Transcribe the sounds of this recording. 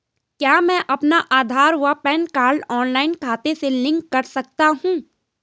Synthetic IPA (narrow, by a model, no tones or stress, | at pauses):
kjaːmɛ̃ːʔɐpnaʔaːd̪ʱaːɾʋapɛːnkaːɾɖɔːnlaːɪnkʰaːt̪eselɪ̃ŋkːɐɾsɐk̚t̪aɦũː